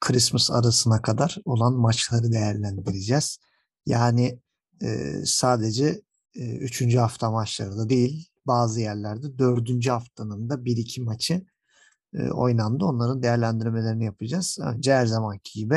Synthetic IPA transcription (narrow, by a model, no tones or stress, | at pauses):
kʰɯɾismɯsa̰ɾasɯnakʰad̪aɾo̞lˠanmat͡ʃlˠaɾɯd̪e̞jæɾlʲænd̪iɾid͡ʒɛz̥ | jaːnɪ̰ː | saːd̪e̞d͡ʒɛː | yt͡ʃʰynd͡ʒyɦaft̪ʰamat͡ʃlˠaɾɯd̪ad̪e̞jilʲ | baːzɯjæɾlʲæɾd̪ɛd̪ø̞ɾd̪ynd͡ʒyhaft̪ʰanɯnd̪abiɾicʰimat͡ʃʰɯ | ɯ̰o̞̰jnand̪ɯo̞nlˠaɾɯnd̪ejæɾlʲænd̪iɾme̞lʲe̞ɾinijapʰɯd͡ʒaz̥ø̰nd͡ʒɛæɾzamancʰiɟibɪ